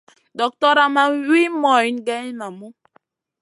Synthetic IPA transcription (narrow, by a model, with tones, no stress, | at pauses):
dɔ˨k̚tɔ˦ɾa˨ma˦wi˦mɔ˨i˨˦n˦ɡɛ˦ɲ˦na˨mu˦